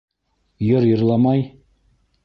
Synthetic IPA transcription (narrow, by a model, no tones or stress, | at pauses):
jɤ̆ɾjɤ̆ɾlˠɑmɑj